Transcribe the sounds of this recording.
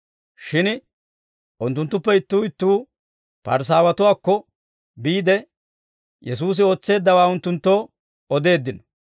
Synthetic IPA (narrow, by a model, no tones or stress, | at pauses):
ʃɪn | ʔʊnt̪ːʊnt̪ːʊpːɛɪt̪ːuːɪt̪ːuː | pɐ̰ɾs̬aːwɐt̪ʊwaːkːɔ | biːd̪ɛ | jɛs̬uːs̬ɪo̞ːt͡sːe̞ːd̪ːɐwaːʊnt̪ːʊnt̪ːo̞ː | ɔd̪e̞ːd̪ːɪnɔ